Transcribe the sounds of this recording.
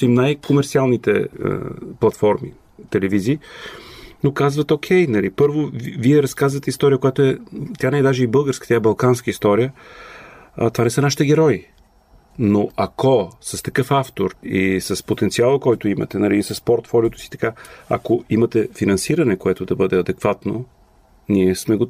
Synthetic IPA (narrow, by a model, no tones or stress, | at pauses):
simnajkomɛɾt̪sialˠnit̪ɛ̰ | plˠɐt̪fɔɾmḭ | t̪ɛlɛviziː | nokazvət̪ok̟ʰɛjnɐlipɤɾvoviɛɾɐskazvət̪ɛist̪ɔɾʲijəkojat̪oɛt̪janɛd̪aʒɛibɤlˠɡəɾskə̥t̪ʲaɛbɐlˠkanskəist̪ɔɾijə | t̪ovanɛsənaʃi̥t̪ɛɡʲɛɾɔji | noʔakʰosɐst̪ɐkɤfaft̪oɾisɐspot̪ɛnsialˠəkɔjt̪ʊimɐ̰t̪ɛnɐlisɐspoɾt̪fɔlʲiot̪o̥si̥t̪ɐ̥kaɐ̰koimɐt̪ɛfinɐnsiɾɐnɛkoɛt̪ʊd̪ɐbɤd̪ɛɐd̪ɛkvat̪no | niɛsmɛɡo